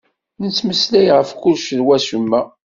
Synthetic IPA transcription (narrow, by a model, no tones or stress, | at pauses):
nət͡sːməslæjʁəfkʊlʃəlwæsumːæ